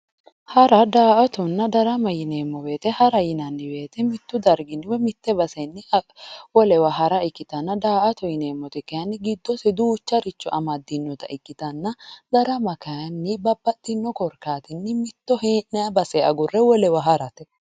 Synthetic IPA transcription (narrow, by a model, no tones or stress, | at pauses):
hɐɾɐd̪aːʔɐt̪ɔnːɐd̪ɐɾɐmɐjɪneːmːɔbe̞ːt̪ɛhɐɾɐjɪnɐnːɪbe̞ːt̪ɛmɪt̪ːʊd̪ɐɾɡɪnːɪwɛmɪt̪ːɛbɐsɛnːɪwɔlɛwɐɦɐɾɐɪkːɪt̪ɐnːɐd̪aːʔɐt̪ɔjɪneːmːɔt̪ɛkːɐjɐnːɪɡɪd̪ːɔsɛd̪uːt͡ʃːɐɾɪt͡ʃːɔʔɐmɐd̪ɪnːɔt̪ɐ̰ʔɪkːɪt̪ɐnːɐd̪ɐɾɐmɐkɐjɐnːɪbɐbːɐt̪ʼːɪnːɔkɔɾkaːt̪ɪnːɪmɪt̪ːɔhenːɛɐbɐsɛɐɡʊrːɛwɔlɛwɐɦɐɾɐt̪ɛ